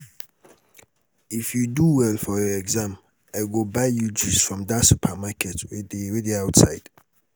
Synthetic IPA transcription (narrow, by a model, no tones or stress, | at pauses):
ɪfjuduwɛlfɔjɔɛɡzãm | aɪlɡobaɪjud͡ʒusfɹɔ̃mdasupʰamakʰɛtʰwɛdɹɛdiaʊtsa̰ɪd̥